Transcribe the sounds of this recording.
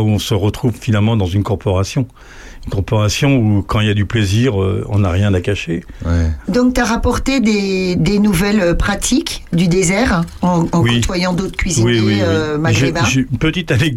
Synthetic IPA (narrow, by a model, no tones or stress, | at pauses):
uɔ̃səʁət̪χuvfinalmɑ̃d̪ɑ̃zynkɔʁpɔʁasjɔ̃ | ynkɔʁpɔʁasjɔ̃ukɑ̃iljad̪ypleziʁø̰ɔ̰̃naʁjɛ̃d̪akaʃe | d̪ɔ̃k̚t̪yaʁapɔʁt̪ed̪ed̪enuvɛløpχat̪ʰikd̪yd̪ezɛʁɑ̃ɑ̃wkiut̪wajɑ̃d̪ot̪χkʲɥiziwiewiømaʒɡibãʒpət̪it̪alɛ